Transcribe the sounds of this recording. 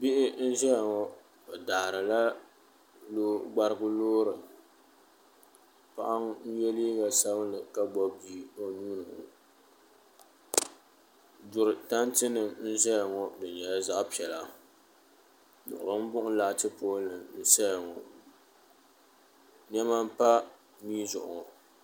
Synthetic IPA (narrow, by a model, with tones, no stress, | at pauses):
bi˦ʔɪ˦n̩˦ʒɛ˦ja˨ŋɔ˦ | o˨daː˨ɾɨ˨la˦ | loː˦ɡ͡ba˦ɾɨ˦ɡʊ˦loː˦ɾɨ˨ | pa̰˦ʔa˦ŋ˦n̩˦jɛ˦li˦ɡa˨sa˦blɨ˨ka˦bɔ˦bi˦˨o˨nuː˦nɨ˨ŋɔ̰˨ | dʊ˨ɾɨ˨ta˦n˦tɨ˦nɨ˨mn̩˦zɛ˦ja˨ŋɔ˨dɨ˨ɲɛ˨la˦za˦ʔpi˨ɛ˨la˨ | nʊ̰˨ʔʊ̰˨ɾɨ˦m̩˦bʊ˦ʔʊ˦la˨tɨ˦poː˦lɨ˨mn̩˦sɛ˦ja˨ŋɔ˨ | ɲɛ˦ma˦m˦pa˦ | miː˦zʊ̰˨ʔʊ˨